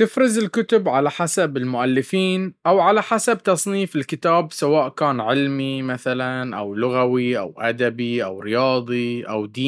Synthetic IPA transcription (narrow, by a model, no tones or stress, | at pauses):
t̪ɪfɾɪzɪlkʊt̪ʊbʕalaħasabɪlmʊʔalːɪfiːnʔawʕalaħasabt̪ɑsˤniːfɪlkɪt̪aːbsawaːʔkaːnʕɪlmimaθalanʔa̰wlʊɣawiʔa̰wʔad̪abiʔa̰wɾɪjɑːðˤiʔa̰wd̪iː